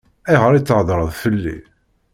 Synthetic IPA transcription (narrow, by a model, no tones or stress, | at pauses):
æʁəɾit͡sːʕðˤɾˤəðˤfəlːḭ